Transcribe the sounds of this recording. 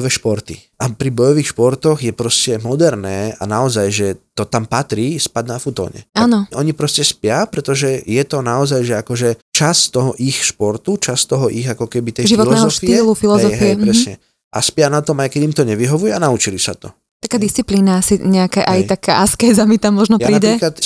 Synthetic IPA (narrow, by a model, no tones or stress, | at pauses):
ʋɛʃpɔɾt̪iʔapɾibɔjɔʋixʃpɔɾt̪ɔɣjɛpɾɔscɛmɔd̪ɛɾnɛːa̰naɔzajʒɛt̪ɔt̪ampat̪ɾiːspaɟnafut̪ɔ̰ːɲɛ̰ʔaːnɔʔɔɲipɾɔscɛspɪapɾɛt̪ɔʒɛjɛt̪ɔnaɔzajʒɛakɔʒɛt͡ʃast̪ɔɦɔʔixʃpɔɾt̪ut͡ʃast̪ɔɦɔʔiɣakɔkɛbit̪ɛjʒiʋɔtlnɛːzɦɔɔftiiːllufilˠɔɛɔɦɛɛɾɛsɲɛ | ʔa̰spjanat̪ɔmajkɛɟimt̪ɔɲɛʋiɦɔʋujɛanaut͡ʃilisat̪ɔ | t̪akaːd̪ist͡sipliːnaasiɲɛakɛʔaj̪akaʔaskɛjzamit̪amːɔʒnɔpjapɾiːɛiklat̪